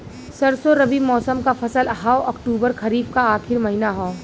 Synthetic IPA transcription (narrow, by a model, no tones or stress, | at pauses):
sɐɾsoɾɐbimɔːsəmkafɐsəlɦaɔkʈuːbəɾxɐɾiːb̚kaaːxɪɾmɐɦinaɦaː